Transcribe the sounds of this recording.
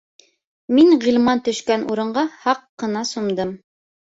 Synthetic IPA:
miŋʁilˠmɑnt̪ɵ̆ʃkænʔṵɾɤ̆ɴɢɑhɑqːɤ̆nɑsumd̪ɤm

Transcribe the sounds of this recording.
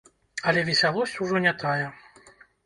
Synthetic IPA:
ɐlʲɛvʲisʲalˠɔsʲt͡sʲuʐɔnʲɛt̪ajɛ

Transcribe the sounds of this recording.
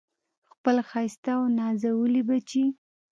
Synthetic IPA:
xpəlxɑjst̪awnɑzawəlibat͡ʃi

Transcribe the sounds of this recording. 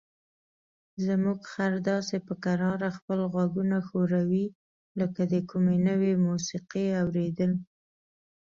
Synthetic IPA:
zəmuɡxaɾd̪ɑsepəkaɾɑɾaxpəlɣwaɡunaxoɾawi | ləkad̪əkumenəwemusiqeawɾed̪əl

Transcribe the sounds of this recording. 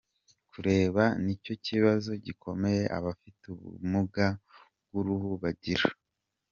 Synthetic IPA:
kʰuɾe̞ːβanico̞ciβazo̞ɟikʰo̞me̞je̞ʔa̰βafituβṵmuɡa | bɡ̥uɾuhuβaɟiɾa

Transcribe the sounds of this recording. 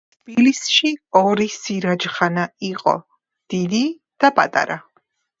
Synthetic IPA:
t̪ʰb̥ilisʃiɔɾisiɾad͡ʒχanaiqʼɔ̰ | d̪̥id̪i | d̪̥apʼa̰t̪ʼa̰ɾa

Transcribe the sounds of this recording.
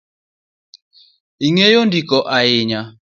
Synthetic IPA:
iŋejondikɔʔaɪɲa

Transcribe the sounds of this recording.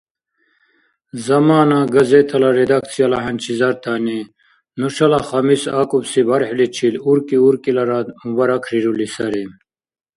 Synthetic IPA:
zɐmaːnaɡɐzet̪ʰɐlaɾed̪akt͡sʰijɐlɐɦɐnt͡ʃʰizɐɾt̪ʰani | nuʂɐlaχɐmisakubsibɐɾħlit͡ʃʰiluɾkiuɾkilɐɾamubaɾɐkʰɾiɾulisɐɾim

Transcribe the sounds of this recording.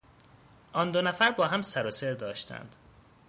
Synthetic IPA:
ʔɒːnd̪onæfæɾbɒːɦæmsæɾoseɾd̪ɒːʃt̪ʰæ̰nd̪̥

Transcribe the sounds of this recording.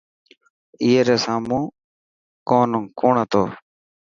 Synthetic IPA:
iːɦeːɾeːsaːmũː | koːnkoːɳət̪o̰ː

